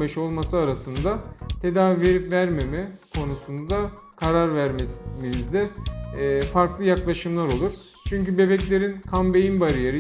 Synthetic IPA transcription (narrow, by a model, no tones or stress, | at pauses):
bɛʃo̞lˠmasɯaɾasɯnd̪at̪ʰe̞d̪aːvive̞ɾipvæɾme̞mɛkʰo̞nusund̪a | kʰaɾaɾvæɾmesimiizd̪ɛː | faɾklˠɯjaklˠaʃɯmlˠaɾo̞lˠuɾ | t͡ʃʰyɲcybe̞bɛclʲe̞ɾinkʰambe̞jinbaɾijeɾɯ